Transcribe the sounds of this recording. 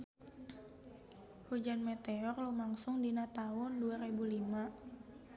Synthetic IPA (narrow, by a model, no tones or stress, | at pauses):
hud͡ʒanmet̪eɔrlumaŋsʊŋdinat̪aʊnduaɾebulima